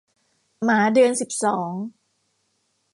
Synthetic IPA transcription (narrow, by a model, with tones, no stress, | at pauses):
maː˩˦dɯ˧ənsi˨˩p̚sɔː˩˦ŋ